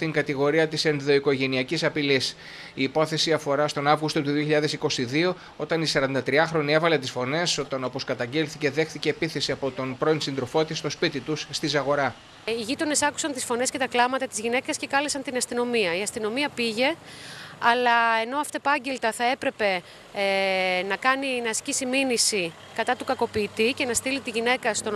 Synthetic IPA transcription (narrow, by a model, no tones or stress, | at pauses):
t̪iŋɡɐt̪iɣo̞ɾiɐt̪ise̞nðo̞iko̞ʝe̞niɐcisɐpilis | iːpo̞θe̞siɐfo̞ɾɐst̪o̞nɐvɣust̪o̞t̪uðioçiʎɐðe̞siko̞siðio̞ | o̞t̪ɐnisɐɾɐnd̪ɐt̪ɾiɐxɾo̞nie̞vɐle̞t̪isfo̞ne̞so̞t̪ɐno̞po̞skɐt̪ɐɲɟelθice̞ðe̞xθice̞ːpiθe̞siɐpo̞t̪o̞npɾo̞insind̪ɾo̞fo̞t̪ist̪o̞spit̪it̪usːt̪izɐɣo̞ɾɐ | iʝit̪o̞ne̞sɐku̥sɐnt̪isfo̞ne̞sce̞t̪ɐklɐmɐt̪ɐt̪izʝine̞kɐsce̞kɐlesɐnt̪inɐst̪ino̞miɐiɐst̪ino̞miɐpiʝe̞ | ɐlɐe̞no̞ɐft̪oepɐɲɟe̞lt̪ɐθɐe̞pɾe̞pe̞ | nɐkɐninɐːscisiminisi | kɐt̪ɐt̪ukɐko̞piːt̪ice̞nɐst̪ilit̪iʝine̞kɐst̪o